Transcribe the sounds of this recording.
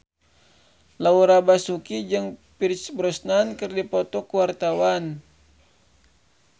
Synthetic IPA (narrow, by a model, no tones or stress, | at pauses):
lauɾabasukid͡ʒɨŋpirsbɾɔsnankɨrdipɔt̪ɔkuwart̪awan